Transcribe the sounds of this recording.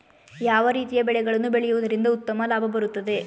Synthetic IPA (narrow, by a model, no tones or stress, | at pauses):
jaːʋɐɾiːt̪ijɐbɛɭɛɡɐɭɐnːubeɭɛjuʋud̪ɐɾind̪ɐut̪ːɐmɐlaːbʱɐbɐɾut̪ːɐd̪e̞